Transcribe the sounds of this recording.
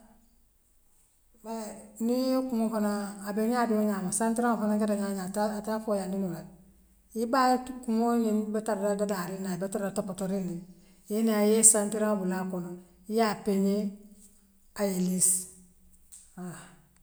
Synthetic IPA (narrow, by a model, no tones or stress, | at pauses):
banijokuŋofanaːbeɲadioɲamasantiɾaŋafanakedaɲaɲatatafojandinula | ibatkuŋoɲinbetaɾdadadaɾinabetaɾatopotoɾindi | jenajesantiɾaŋabulakono | ijapeɲe | ajelis | a